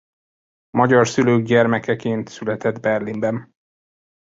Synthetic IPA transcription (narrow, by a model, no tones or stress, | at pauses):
mɒɟɒrsyløːɡ̚ɟɛrmɛkɛkeːnt̪sylɛt̪ɛd̪bɛrlimbɛn